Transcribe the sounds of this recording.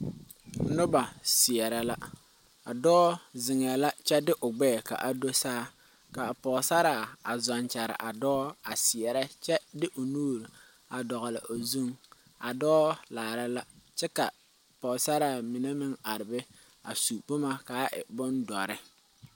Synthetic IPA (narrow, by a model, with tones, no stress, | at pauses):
nʊ˦ba˨sɪ˨ɛ˨ɾa˦la˦ | a˨dɔː˦zɪ˨ŋ˨ɛ˨la˦t͡ʃɛ˦dɪ˦ʔʊ˨ɡ͡bɛː˦˨ka̰˨ʔa˨do˦saː˦ | ka˨pɔ˨sa˦ɾaː˨a˨zɔ˨nt͡ʃa˨ɾɪ̰˨ʔa˨dɔː˦a˨sɪ˨ɛ˨ɾa˦t͡ʃɛ˦dɪ˦ʔʊ˨nuː˦ɾ | a˨dɔ˨ɣɔ˨lɪ̰˨ʔo˨zu˦ŋ | a˨dɔː˦laː˨ɾa˦la˦t͡ʃɛ˦ka˨ | pɔ˨sa˦ɾaː˨mi˨ne˦mɪ˦ŋa˨ɾɪ˨bɛ˦ | a̰˨su˨pʊ˦ma˦ka˨˦ʔɪ̰˨bʊ˦ndɔ˨ɾɪ˦